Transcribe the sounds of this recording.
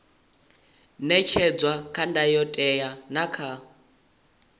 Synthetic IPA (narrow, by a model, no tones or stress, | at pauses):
nɛt͡ʃʰɛd͡zwakʰandajɔtʼɛjanakʰa